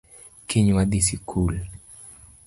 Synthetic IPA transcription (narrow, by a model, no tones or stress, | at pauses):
kiɲwaɗ̪isikʰul